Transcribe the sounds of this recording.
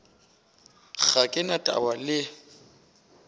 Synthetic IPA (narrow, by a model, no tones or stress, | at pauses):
ɣakʼɪnatʼa̰walɪ